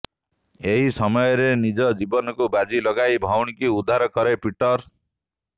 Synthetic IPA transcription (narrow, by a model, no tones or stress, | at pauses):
eɦisɔmɔjɔɾenid͡ʒɔd͡ʒibɔnɔkubad͡ʒilɔɡajbʱawɳikiud̪ʱːaɾɔkɔɾepiʈɔɾ